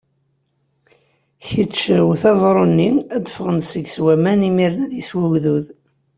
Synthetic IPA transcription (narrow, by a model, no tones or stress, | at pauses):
çət͡ʃːəwθɑzˤɾˤonːiæd̪əfəʁənsəɡswæmænimiɾnæðiswæʝðuð